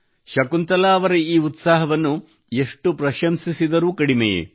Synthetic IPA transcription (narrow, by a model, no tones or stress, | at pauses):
ʃɐkunt̪ɐlaːʋɐɾeiːut̪saːɦɐʋɐnːu | e̞ʂʈupɾɐʃɐmsisid̪ɐɾuːkɐɽimɛjḛ